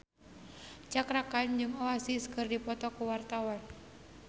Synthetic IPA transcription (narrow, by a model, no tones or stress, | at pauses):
t͡ʃakɾakand͡ʒumawasisə̥kɨrdipɔt̪ɔkuwart̪awan